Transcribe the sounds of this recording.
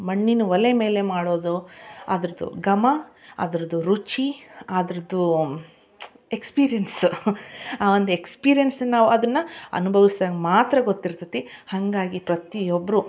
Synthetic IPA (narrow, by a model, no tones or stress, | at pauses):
mɐɳːinuʋɐleme̞ːle̞maːɽo̞ːd̪ua̰ːd̪ɐɾɐd̪ṵɡɐmɐa̰ːd̪ɐɾɐd̪uɾut͡ʃiaːd̪ɐɾɐd̪u | ekspiːɾijɐns | aːʋond̪uekspiːɾijensɐnːaːʋuɐd̪ɐnːɐɐ̰nubʱɐʋisd̪aːɡmaːt̪ɾɐɡot̪ːiɾt̪ɐt̪i | hɐŋɡaːɡipɾɐt̪ijobːɐɾu